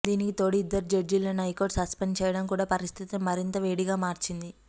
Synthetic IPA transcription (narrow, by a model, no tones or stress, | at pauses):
d̪iːnikit̪o̞ːɽiːd̪ːɐɾid͡ʒɐɾd͡ʒilːɐnɐjkoːɖsɐspent͡ʃɛːjɐɽɐmkuːɽaːpɐɾist̪ʰit̪ɐmːɐɾint̪ɐʋeːɽiɡaːmaːɾt͡ʃind̪i